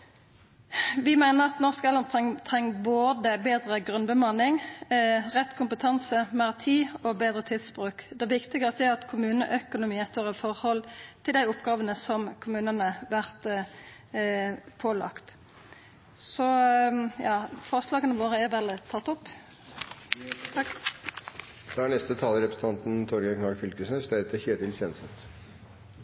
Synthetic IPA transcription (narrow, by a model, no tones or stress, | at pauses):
ʋɪmæɪnəʁɑt̪nɔʁskəɛlːənt̪ʰɛŋt̪ʰʁɛŋːboːd̪əbeːd̪ʁəɡʁʉnbəmɑnɪŋ | ʁɛt̪ːkʰʊmpət̪ʰɑnsəmɑʁt̪ʰiːɔbeːd̪ʁət̪ʰɪlspʁʉːkd̪ɛʋɪkt̪ɪɡəst̪ɛɑt̪kʰʊmʉːnəʔœkʊnʊmiːəst̪øːʁəfɔʁhɔlt̪ʰɪld̪æɪʊpɡɑːʋənəsɔmkʰʊmʉːnənəʋæʁt̪ | pʰoːlɑ̰kt̪ | sɔjɑːfɔʁslɑːɡənəʋoːʁəæʁʋɛlt̪ʰɑt̪ːɔpː | d̪̥ɛæɳɛst̪ət̪ʰɑːləɾɛpɾəsn̩t̪ɑnt̪n̩t̪ʰɔɾɡɑkʰnɑɡfʏlkəsnəst̪æɪt̪əçeːd̪ɪlsɛnsət̪